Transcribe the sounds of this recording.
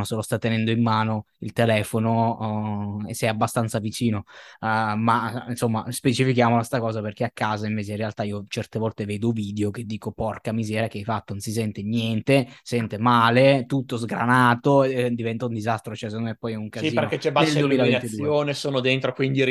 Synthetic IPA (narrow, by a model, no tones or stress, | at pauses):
oselost̪at̪ːenɛnd̪oimːaːno | ilt̪elɛːfono | esːɛjabːast̪ant̪savit͡ʃiːno | mansomːa̰spet͡ʃifikjaːmolast̪akɔːzaperk̟eakːaːzaiɱveːt͡ʃeinrːealt̪aiːot͡ʃɛrt̪evɔlt̪eveːd̪oviːd̪eoked̪ːiːkopɔrkamizɛːɾjakeajfat̪ːononsis̬ɛnt̪enjɛnt̪esɛnt̪emaːlet̪ut̪ːozɡɾa̰naːt̪od̪ivɛnt̪aund̪izast̪ɾot͡ʃɛs̬enːomɛpːɔjɛuŋkazsiiːperket͡ʃɛbanelduemilavenat̪id̪uːjoːnesoːnod̪ent̪ɾokwind̪i